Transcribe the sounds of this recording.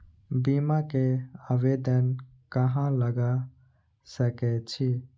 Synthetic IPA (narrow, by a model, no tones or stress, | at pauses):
bimakeabed̪ən | kəɦãləɡa | səkɛt͡ʃʰi